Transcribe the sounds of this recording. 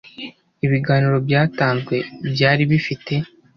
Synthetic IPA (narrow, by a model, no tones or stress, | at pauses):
iβiɡaːniɾo̞bjaːtaːnzɡwe̞bjaːɾiβifite̞